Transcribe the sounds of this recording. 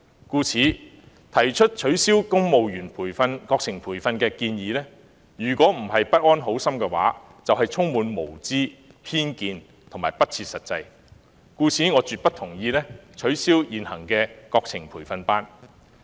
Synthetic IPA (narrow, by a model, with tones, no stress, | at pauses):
kuː˧t͡sʰiː˨˥ | t̪ʰɐ˨˩jt͡ʃʰɵ˥t̚t͡ʃʰɵ˨˥ɥsiː˥wkʊ˥ŋmo˨wjyː˨˩npʰuː˨˩jfɐ˧nkɔː˧k̚t͡sʰɪ˨˩ŋpʰuː˨˩jfɐ˧nkɛː˧kiː˧njiː˨˧lɛː˥ | jyː˨˩kʷwɔː˨˥m̩˨˩hɐ˨jpɐ˥t̚ʔɔː˥nɦo˨˥wsɐ˥mkɛː˧wa̰ː˨˥ | t͡sɐ˨wɦɐ˨jt͡sʰʊ˥ŋmuː˨˧nmo˨˩wt͡siː˥pʰiː˥nkiː˧n | t̪ʰʊ˨˩ŋmaː˨˩jpɐ˥t̚t͡sʰiː˧t̚sɐ˨t̚t͡sɐ˧j | kuː˧t͡sʰiː˨˥ŋɔː˨˧t͡ʃyː˨t̚pɐ˥t̪ʰʊ˨˩ŋjiː˧lɛː˥t͡ʃʰɵ˨˥ɥsiː˥wjiː˨nhɐ˨˩ŋkɛː˧kɔː˧k̚t͡sʰɪ˨˩ŋpʰuː˨˩jfɐ˧npaː˥n